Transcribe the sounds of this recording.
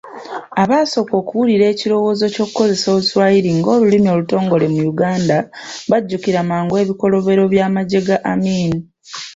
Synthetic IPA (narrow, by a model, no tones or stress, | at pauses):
aβaːso̞ko̞ːkuwuliɾe̞ːciɾo̞wo̞ːzo̞co̞ːkuko̞ze̞so̞ːβuswaiɾiŋɡo̞ːlulimio̞ːluto̞ːŋɡo̞le̞mujuɡaːndaβaɟːukiɾamaːŋɡwe̞ːβiko̞lo̞βe̞ɾo̞βjaːmaɟe̞ɡaʔamiːni